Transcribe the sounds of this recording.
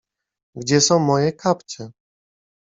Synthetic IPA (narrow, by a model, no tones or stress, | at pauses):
ɡd͡ʑɛsɔ̃w̃mɔjɛkʰapt͡ɕɛ